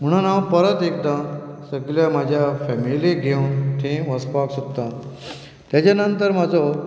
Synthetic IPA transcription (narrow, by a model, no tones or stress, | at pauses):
m̤əɽ̃anãwpəɾət̪ek̚d̪ãsəɡljamad͡ʑʱjafɛmiliɡʱewnt̪ʰẽʋəspaksukt̪ã | t̪jat͡ɕanənt̪əɾmad͡zʱɔ